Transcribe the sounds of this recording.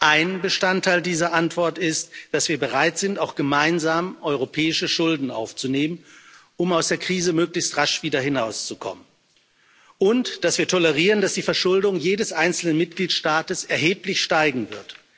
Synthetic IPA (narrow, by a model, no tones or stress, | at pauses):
ʔaɪnbəʃtantʰːaɪldiːzɐʔantv̥ɔɐtɪstd̥asv̥iːɐbəʁaɪtz̥ɪntaʊxɡ̥əmaɪnzaːmʔɔʏʁopʰɛːɪʃəʃʊldn̩ʔa̰ʊft͡suneːmən | ʊmaʊsd̥eːɐkʁ̥iːzəmøːklɪçstʁaʃv̥iːdɐɦɪnaʊst͡sukʰɔ̰mən | ʔʊntd̥asv̥iːɐtʰɔləʁiːʁəndasd̥iːfɛɐʃʊldʊŋjeːdəsʔaɪnt͡sl̩nənmɪt̚ɡ̥liːtʃtaːtəsɛɐɦeːplɪçʃtaɪɡŋ̩vɪɐt